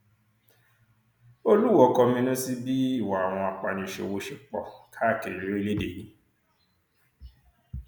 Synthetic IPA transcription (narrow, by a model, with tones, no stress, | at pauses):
o˦lu˦wɔ˦kɔ˧mĩ˧nũ˦si˦bi˦i˦˨wa˨a˨w̃ɔ̃˧a˧k͡pa˧˨nĩ˧˨ʃḛ˧wo˧ʃi˦k͡pɔ˦˨kʰa˦˨ke˨ɾi˨˦ɾi˦˧le˦de˨ji˦